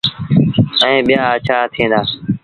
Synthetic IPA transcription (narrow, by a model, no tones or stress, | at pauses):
əẽːɓɪjaːət͡ʃʰaːt̪ʰĩːnd̪aː